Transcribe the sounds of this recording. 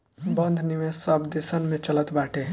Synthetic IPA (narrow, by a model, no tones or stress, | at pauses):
bənd̪ʱnimesəbd̪esənmẽt͡ʃələt̪baʈʰe